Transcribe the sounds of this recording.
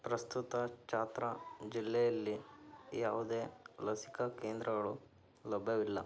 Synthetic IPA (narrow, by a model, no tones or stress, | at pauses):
pɾɐst̪ut̪ɐt͡ʃaːt̪ɾɐd͡ʒilːɛjɐlːijaːʋud̪eːlɐsi̥kɐkeːnd̪ɾɐɡɐɭu | lɐbʱɐʋilːɐ̰